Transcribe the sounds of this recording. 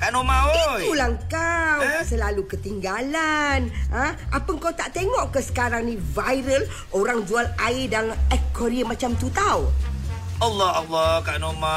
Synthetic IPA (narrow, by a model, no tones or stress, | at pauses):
kaʔnomaiulaŋkawsəlalukət̪iŋɡalanãʔa̰pəŋkawt̪aʔt̪eŋɔʔkəsə̥kaɾaŋnĩvajɾəl | oɾaŋd͡ʒualaɪdaŋɛkkʰːɔɾiəmãt͡ʃamt̪ut̪aw | alːɔalːɔkaʔnoma